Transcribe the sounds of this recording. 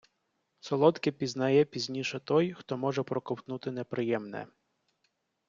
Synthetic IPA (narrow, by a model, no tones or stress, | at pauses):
sɔlˠɔt̪kɪpʲiznɐjɛpʲizʲnʲiʃɛt̪ɔjxt̪ɔmɔʒɛpɾɔkɔwt̪nut̪ɪnepɾɪjɛmnɛ̰